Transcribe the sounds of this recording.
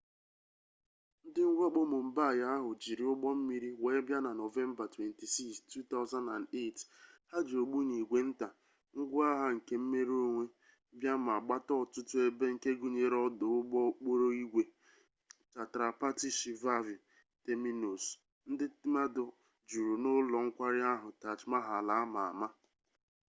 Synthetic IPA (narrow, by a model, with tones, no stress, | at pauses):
n̩˦dɪ˦ŋ̩˦ɡʷɔ˦k͡po˦mʊ˨m̩˦ba˦˨ja˦ɦʊ˨d͡ʒi˨ɾi˨˦ʊ˦ɡ͡bɔ˦m̩˦mi˦ɾi˦we˨˦bja˦na˨no˨ve˦m˦ba˨twe˨nti˨si˦kstʰu˦t̪a˦ʊ˦za˦na˨nde˦˨tha˦d͡ʒo˨ɡ͡bu˦ɲi˨ɡʷe˨n̩˦ta˨ | ŋ̩˦ɡʷʊ˦a˦ɦa˦ŋ̩˨ke˦m̩˦me˦ɾi˦o˦ŋʷe˦ | bja˦ma˨ɡ͡ba˦tɔ˦˨tʊ˦tʊ˦e˦be˦ŋ̩˨ke˦ɡu˨ɲe˨ɾɔ˦dʊ˨ʊ˦ɡ͡bɔ˦k͡po˦ɾo˦i˦ɡʷe˨ | ta˨tɾa˨pa˦ti˦ʃi˨va˦vi˨ | te˦mi˦no˨s | n̩˦dɪ˦ma˦dʊ˨ | d͡ʒu˨ɾu˨nʊ˦lɔ˨ŋ̩˦kʷa˦ɾɪ˦a˦ɦʊ˨ta˨t͡ʃma˦ɦa˨la˨a˦ma˨a̰˨ma˦